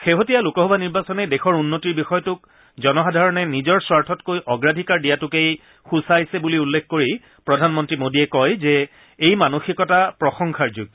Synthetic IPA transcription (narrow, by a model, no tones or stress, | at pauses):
xeɦotijalʊkɔɦɔbʱaniɹbasɔnɛdexɔɹunːotiɹbixɔjɔtʊk | zɔnɔxadʱaɹɔnɛnizɔɹswaɹtʰɔtkojʔɔɡɹadʱikaɹdijatʊkej | xusajsɛbuliulːekʰkoɹi | pɹɔdʱanmɔntɹimodiɛkɔjzɛ | ejmanoxikɔtapɹɔxɔŋkʰaɹzuɡ̚